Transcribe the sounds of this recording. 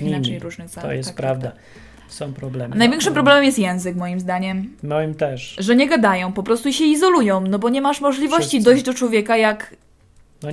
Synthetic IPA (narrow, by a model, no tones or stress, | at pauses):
iiaɲɲjɾuʐnɨxat̪ɔ̰jɛst̪pɾavd̪a | sɔ̃w̃pɾɔblɛmnajvʲɛ̃ŋkʂɨmp̬ɾɔblɛmɛmjɛst̪jɛ̃w̃zɘkmɔjimzd̪aɲɛmmɔimt̪ɛʂʐɛɲɛɡad̪ajɔ̃w̃pɔpɾɔst̪uiɕɛizɔlujɔ̃w̃nɔbɔɲɛmaʂmɔʐlʲivɔɕt͡ɕid̪ɔjʑd͡ʑd̪ɔt͡ʂwɔvʲjɛkajak | nɔ